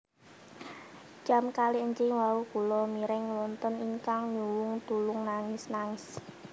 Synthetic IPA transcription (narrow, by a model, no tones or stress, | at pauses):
d͡ʒ̥a̤mkaliəɲd͡ʒɪŋwaukulɔmiɾɪŋwɔnt̪ɔniŋkaŋɲuwʊŋt̪ulʊŋnaŋɪsnaŋɪs